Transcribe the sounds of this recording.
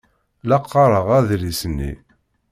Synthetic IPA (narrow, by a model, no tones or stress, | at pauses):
lɑqʰːɑɾˤəʁæðɾisənːḭ